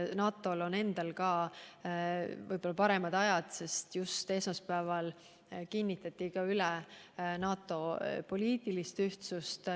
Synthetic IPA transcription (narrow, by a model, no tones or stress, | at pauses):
nɑːt̪ːˑo̞lo̞ne̞nd̪̥ɑlkɑː | vɯ̰jb̥o̞lːɑpɑɾe̞mɑd̪̥ɑjɑd̪̥se̞st̪just̪e̞smɑspæːvɑl | kinʲːit̪ːˑɑt̪ʲːˑikɑylɛnɑːt̪ːˑo̞po̞lʲiːt̪ːˑilist̪yht̪sust̪